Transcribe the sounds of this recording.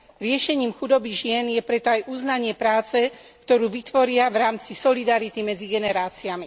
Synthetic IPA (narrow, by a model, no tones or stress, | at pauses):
ɾɪɛʃɛɲiːmxud̪ɔbiʒɪɛnjɛpɾɛt̪ɔajʔuznaɲɪɛpɾaːt͡sɛkt̪ɔɾuːʋit̪ʋɔɾɪaʋɾaːmt͡sisɔlid̪aɾit̪imɛd͡ziɡɛnɛɾaːt͡siami